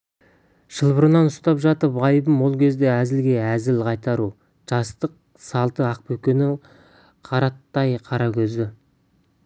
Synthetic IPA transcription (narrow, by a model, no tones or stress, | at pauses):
ʒ̥əlˠbəɾənɑnʊst̪ɑpʒɑt̪əpɑjbəmwo̞lˠkʲʰe̞zd̪e̞æzɪlɡʲe̞æzɪlqʰɑjt̪ɑɾu | ʒ̥ɑst̪əq̚ | sɑlˠt̪əɑq̚pɵkʲenɪŋ | qʰɑɾɑt̪ːɑjqʰɑɾɑkʲʰɵzɪ